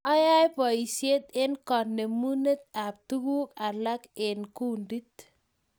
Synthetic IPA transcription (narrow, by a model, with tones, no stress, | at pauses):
ɔ˦ja˦jpɔ˨i˨se˦t̪̚ɪ˦nkɔ˨ne˨mu˦ne˦t̪̚a˨p̚t̪u˦ɡu˦ka˨la˦kɪ˨nku˦ndi˦t̪